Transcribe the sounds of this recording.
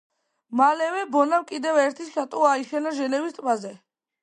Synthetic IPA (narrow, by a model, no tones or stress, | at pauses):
malɛvɛbɔnamkʼid̪ɛvɛɾt̪ʰiʃat̪ʼuaiʃɛnaʒɛnɛvist̪ʼbazɛ